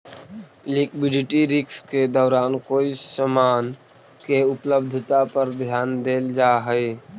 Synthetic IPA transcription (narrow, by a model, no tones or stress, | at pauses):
lɪkbɪɖɪʈiɾɪksked̪ɔːɾaːnkoːiɪsəmaːn | keʊpləb̚d̪ʱt̪apəɾbʱjaːnd̪eːld͡ʒaːɦɛe